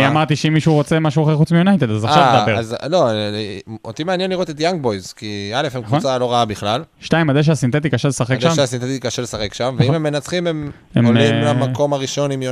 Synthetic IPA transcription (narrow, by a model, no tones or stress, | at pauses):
iamaʁt̪iʃeimːiʃuʁot͡se̞maʃuaχexut͡smijonajt̪ed̪azaʃʃad̪abeazlo̞ | ot̪imeanjenliʁot̪et̪jaŋɡ̚bojzkialefemkkvuont͡salo̞ʁaabiχlalʃtaimad̪eʃ̬asint̪e̞t̪̬ikaʃelesaχekʃamasint̪et̪ikaʃelesaχekʃamveimemːenat͡sχimem | emonmimlamakko̞maʁiʃo̞nimj